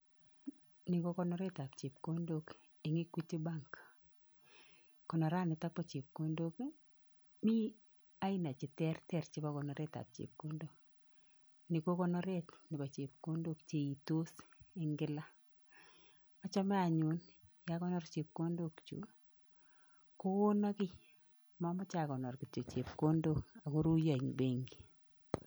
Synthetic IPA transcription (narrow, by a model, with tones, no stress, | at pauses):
ni˨ko˦kɔ˦nɔ˦ɾe˦ta˨p̚t͡ʃe˨p̚ko˦ndo˦k | ɪ˨ŋi˦kwi˦ti˦ba˦ŋk | kɔ˨nɔ˨ɾa˦˨nɪ˨ta˦k̚pɔ˨t͡ʃe˨p̚ko˦ndo˦k | mi˦ | a˦ɪ˦na˨t͡ʃɪ˨tɛ˦rtɛ˦˨ɾt͡ʃɪ˦pa˦kɔ˨nɔ˨ɾe˦ta̰˨p̚t͡ʃḛ˨p̚ko˦ndo˦k̚ | ni˨ko˦kɔ˦nɔ˦ɾe˦t̪nɪ˨ba˨t͡ʃe˨p̚ko˦ndo˦kt͡ʃe˨i˨to˦sɪ˦ŋɡɪ˦la˦ | ɔ˦t͡ʃɔ˦mɛ˦a˨ɲu˨njakɔ˦nɔ˦rt͡ʃe˨p̚ko˦ndo˦kt͡ʃṵ˨˦ | ko˦o˦nɔ˦kɪ˦ | mɔ˦mɔ˦t͡ʃa˨kɔ˨nɔ˨rki˨t͡ʃo˨t͡ʃe˨p̚ko˦ndo˦ka˨ko˦ɾu˦ja˨ɲbe˦ŋɡi˨